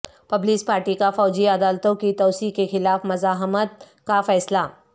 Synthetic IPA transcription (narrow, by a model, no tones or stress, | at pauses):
pɐbliːspaːɾʈikafɔːd͡ʒiɐd̪aːlt̪õkit̪ɔːsiːkkexɪlaːfmɐzaːɦmət̪̚ | kafɛːsla